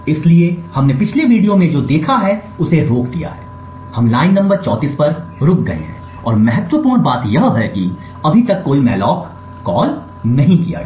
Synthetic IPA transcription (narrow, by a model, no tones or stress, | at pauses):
ɪsliehɐmnepɪt͡ʃʰleʋiːɖijomẽd͡ʒoːd̪eːkʰaɦɛʊseɾoːkd̪ija̰ɦɛ̰ː | hɐmlaːɪnːɐ̃mbəɾt͡ʃɔːt̪iːspɐɾɾʊk̚ɡɐ̰ḛɦɛ̰̃ | ɔːɾmɛɦɛt̪wəpʊːɾɳ̃baːt̪jɐɦɦɛkḭ | ɐbʱit̪ɐkːoːimɛːlɔːkː | ɔːl | nɐɦĩkija̰